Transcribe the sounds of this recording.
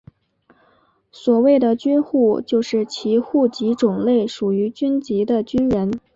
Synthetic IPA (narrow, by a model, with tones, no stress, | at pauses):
swɔ˨˩we˥˩ɪd̪ə˩t͡ɕyɛ˥nxu˥˩t͡ɕjo˥˧ʊʂɻ̩˥˩t͡ɕʰi˧˥xu˥˩t͡ɕi˧˥ʈ͡ʂʊ˨˩ŋle˥˩ɪʂu˨˩y˧˥t͡ɕy˥nt͡ɕi˧˥d̪ə˧t͡ɕy˥nɻə˧˥n